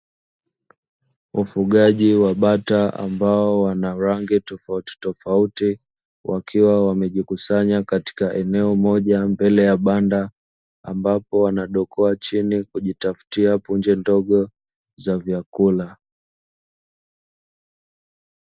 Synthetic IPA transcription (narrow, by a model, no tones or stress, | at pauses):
ufuɠaʄiwaɓataa̰mbaɔwanauɾaŋɡitɔfauti̥tɔfauti | wʔakʰiwawamɛʄikusaɲakati̥kaʔɛnɛɔmɔʄambɛlɛjaɓanda | a̰mbapɔwanaɗɔkʰɔat͡ʃinikuʄitafu̥tiapund͡ʒɛndɔɠɔ | zavjakula